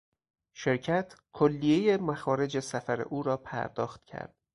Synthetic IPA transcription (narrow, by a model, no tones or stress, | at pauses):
ʃe̞ɾcʰæt̪ʰkʰolːije̞jemæxɒːɾe̞d͡ʒesæfæɾḛʔuːɾɒːpʰæ̰ɾd̪ɒːxt̪cʰæ̰ɾd̪̥